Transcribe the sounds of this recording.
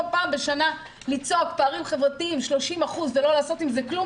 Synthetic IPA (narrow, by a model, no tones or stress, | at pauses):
paːmbeʃana | lit͡so̞kpaːʁimχevʁatiimʃlo̞ʃimaχuzvelo̞laːso̞t̪imzeklu